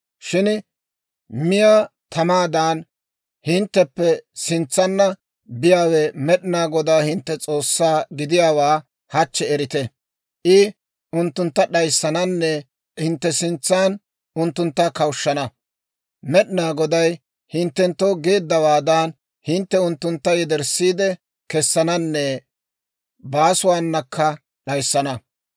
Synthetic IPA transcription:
ʃɪn | mɪjat̪ʰɐmaːd̪aːn | hɪnt̪ːɛpːɛsɪnt͡sːɐnːɐ | bɪjaːwɛmɛɗnaːɡɔd̪aːhɪnt̪ːɛt͡sʼo̞ːsːaːɡɪd̪ɪjaːwaː | hɐt͡ʃːɛɛɾɪt̪ɛ | ʔɪ | ʔʊnt̪ːʊnt̪ːɐɗɐjsːɐnɐnːɛ | hɪnt̪ːɛsɪnt͡sːaːn | ʊnt̪ːʊnt̪ːɐkɐwʃːɐnɐ | mɛɗnaːɡɔd̪ɐj | hɪnt̪ːɛnt̪ːoːɡe̞ːd̪ːɐwaːd̪an | hɪnt̪ːɛʊnt̪ːʊnt̪ːɐjɛd̪ɛɾsːiːd̪ɛ | kɛsːɐnɐnːɛ | baːsʊwaːnːɐkʰːɐ | ɗɐjsːɐnɐ

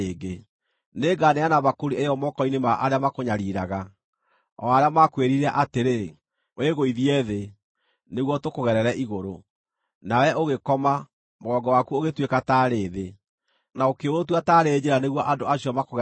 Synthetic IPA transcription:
eːɡe | neɡaneanaβakoɾiejɔmɔkɔinemaʔaɾeamakoɲaɾiɾaɣa | ɔaɾeamakweɾiɾɛʔateɾe | weɣoiðiɛðe | neɣwɔtokoɣɛɾɛɾɛʔiɣoɾo̰ | nawɛʔoɣekɔma | moɣɔɡɔwakuoɣetwekataːɾeːðe | naokeotwataːɾed͡ʑeɾaneɣwɔʔadoaɕɔmakoɣ

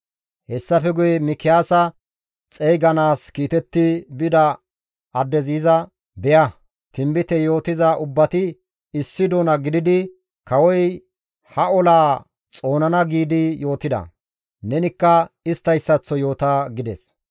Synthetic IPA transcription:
hɛsːɐfɛɡʊjɛmɪkːɪjaːsɐ | t͡sʼɛjɡɐnaːskiːt̪ɛt̪ːɪbɪd̪ɐ | ɐd̪ːɛziːzɐ | bɛjɐ | t̪ɪmbɪt̪ɛjo̞ːt̪ɪzɐʔʊbːɐt̪ɪ | ɪsːɪd̪oːnɐɡɪd̪ɪd̪ɪ | kɐwɔj | hɐɔlaː | t͡sʼo̞ːnɐnɐɡiːd̪ɪjo̞ːt̪ɪd̪ɐ̰ | nɛnɪkːɐɪst̪ːɐjsːɐt͡sːɔjo̞ːt̪aːɡɪd̪ɛs

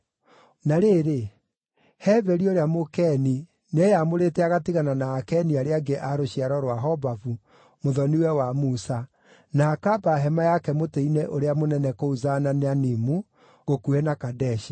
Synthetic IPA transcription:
naɾeːɾe | hɛvɛɾioɾeamokɛni | nejamoɾetɛaɣatiɣananaːkɛniaɾeaɡeʔaɾoɕiaɾɔɾwaɦɔbavu | moðɔniwɛwamusa | naːkabaɦɛmajakɛmoteinɛʔoɾeamonɛnɛkouzananeanimu | ɣokuɛnakadɛʃi

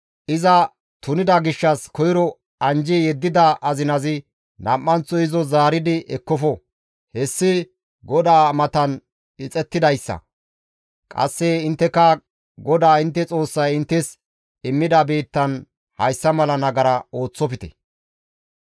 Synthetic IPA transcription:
ʔɪzɐ | t̪ʊnɪd̪ɐɡɪʃːɐskɔjɪɾɔ | ɐnd͡ʒɪjɛd̪ːɪd̪ɐʔɐzɪnɐzɪ | nɐmːɐnt͡sːɔɪzɔzaːɾɪd̪ɪʔɛkːɔfɔ | hɛsːɪ | ɡɔd̪aːmɐt̪ɐn | ɪt͡sʼɛt̪ːɪd̪ɐjsːɐ̰ | kʼɐ̰sːɛɪnt̪ːɛkːɐ | ɡɔd̪aːɪnt̪ːɛt͡sʼo̞ːsːɐjɪnt̪ːɛs | ɪmːɪd̪ɐbeːt̪ːɐn | hɐjsːɐmɐlɐnɐɡɐɾɐoːt͡sːɔpɪt̪ɛ̥̰

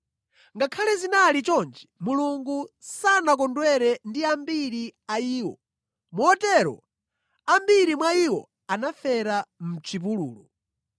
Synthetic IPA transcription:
ŋɡakʰalɛzinalit͡ʃɔnd͡ʒɛmuluŋɡusanak̬ɔndwɛɾɛndiambiɾiaiːwɔ̰ | muɔtɛɾɔ̰ | ambiɾimwaiwɔ̰ | anafɛɾam̩t͡ʃʰip̬ulṵːlu

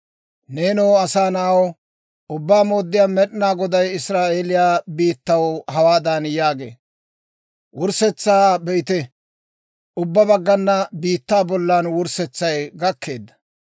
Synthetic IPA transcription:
neːnoːɐsaːnaːw | ʊbːaːmo̞ːd̪ːɪjaːmɛɗɪnaːɡɔd̪ɐjɪsɾaːʔeːlɪjaːbiːt̪ːɐwhɐwaːd̪aːnjaːɡe̞̰ː | wʊɾsɛt͡sːaːbɛɪt̪ɛ | ʔʊbːɐbɐɡːɐnːɐbiːt̪ːaːbɔlːaːnwʊɾsɛt͡sːɐjɡɐkʰːe̞ːd̪ːɐ̥

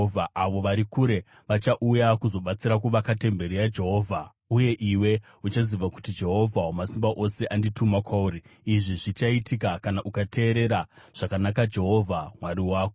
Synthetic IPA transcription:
vʱaaʋo̞ʋaɾikuɾe̞ | ʋat͡ʃaʔujakuzo̞ɓat͡siɾakuʋakate̞mbe̞ɾiad͡ʒe̞ɦo̞ːvʱa | uje̞ʔiwe̞ | ut͡ʃaziʋaku̥tid͡ʒe̞ɦo̞vʱawomasimbaʔo̞se̞ʔanditumakwauːɾiiʐiʐit͡ʃaitikakanaʔukate̞ːɾe̞ɾaʐ̥akanakad͡ʒe̞ɦo̞vʱamwaɾiwaːko

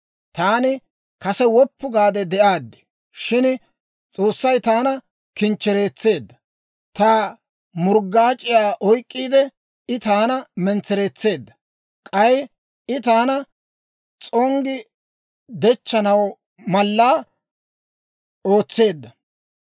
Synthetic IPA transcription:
t̪aːnɪ | kɐsɛwɔpːʊɡaːd̪ɛd̪ɛʔaːd̪ːɪ̥ | ʃɪn | t͡sʼo̞ːsːɐjt̪aːnɐ | kɪnt͡ʃːɛɾe̞ːt͡sːe̞ːd̪ːɐ | t̪aː | mʊɾɡːaːt͡ʃʼɪjaːʔɔjkʼːiːd̪ɛ | ɪt̪aːnɐmɛnt͡sːɛɾe̞ːt͡sːe̞ːd̪ːɐ̥ | kʼɐj | ɪt̪aːnɐ | t͡sʼɔŋɡɪ | d̪ɛt͡ʃːɐnɐw | mɐlːaː | o̞ːt͡sːe̞ːd̪ːɐ

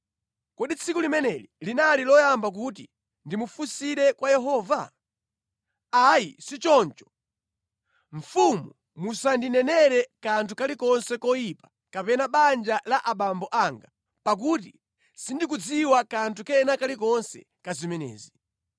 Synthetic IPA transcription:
kɔɗit͡sʰikulimɛnɛlilinalilɔjambak̬ut̬i | ndimufusiɾɛkwajɛɦɔːva̰ | ajisit͡ʃɔnt͡ʃɔ̥ | ɱ̩fumu | musandinɛnɛɾɛkantʰukalikɔnsɛkɔjipḁ | kapɛnaɓand͡ʒalaʔaɓambɔʔaŋɡa | pak̬ut̬i | sindik̬ud͡ziwakantʰukɛnakalikɔnsɛ̰ | kazimɛnɛ̰ːzi

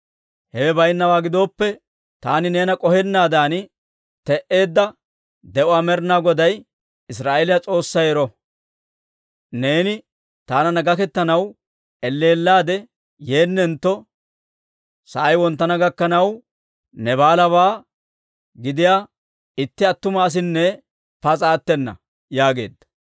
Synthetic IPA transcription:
hɛwɛbɐjnːɐwaːɡɪd̪o̞ːpːɛ | t̪aːnɪne̞ːnɐkʼɔhɛnːaːd̪aːn | t̪ɛʔe̞ːd̪ːɐ | d̪ɛʔʊaːmɛɾnaːɡɔd̪ɐj | ɪs̬ɾaːʔelɪjat͡sʼo̞ːsːɐjɛɾɔ | ne̞ːnɪ | t̪aːnɐnɐɡɐkɛt̪ːɐnɐw | ɛlːe̞ːlːaːd̪ɛ | je̞ːnːɛnt̪ːɔ | sɐʔɐjwɔnt̪ːɐnɐɡɐkːɐnɐw | nɛβaːlɐβaː | ɡɪd̪ɪjaː | ɪt̪ːɪɐt̪ːʊmɐːs̬ɪnːɛ | pɐt͡sʼaːt̪ːɛnːɐ̰ | jaːɡe̞̰ːd̪ːɐ̥

